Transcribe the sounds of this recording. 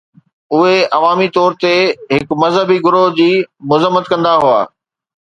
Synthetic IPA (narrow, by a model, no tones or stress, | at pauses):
ʊɦeʔɐʋaːmit̪ɔːɾt̪eɦɪkmɐzɦəbiɡʊɾod͡ʑiːmʊzəmːət̪kɐ̃nd̪aɦua̰ː